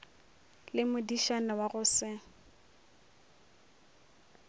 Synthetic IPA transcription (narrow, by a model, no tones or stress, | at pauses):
lɪmʊdiʃanawaɣʊsɪ